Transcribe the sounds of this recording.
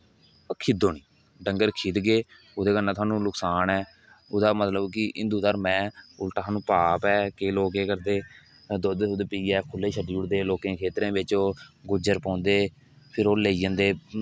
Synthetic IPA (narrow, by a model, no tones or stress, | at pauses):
kʰɪd̪oːniː | ɖəŋɡəɾkʰiːd̪ɡeː | ʊd̪eːkənːãːt̪ʰwaːnũːlʊksaːnɛː | ʊd̪aːmət̪ləbkɪʔɪ̰nd̪uːd̪əɾmɛ̃ːʊlʈaːt̪ʰaːnũːpaːpɛːkeːloːkeːkəɾd̪eː | d̪od̪ed̪eːpiːɛːkʰʊlːeːʃʰəɖiːʊɽd̪eːloːkẽːkʰeːt̪ɾẽːbɪt͡ʃoːɡʊd͡ʒəɾpɔ̃ːnd̪eː | pʰɪɾoːleːid͡ʒə̃ːnd̪eː